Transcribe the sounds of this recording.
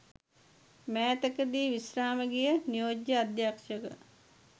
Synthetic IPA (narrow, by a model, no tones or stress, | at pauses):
mæːt̪əkəd̪iːʋisɾaːməɡijənijoːd͡ʒjəad̪jaːkʂəkə̰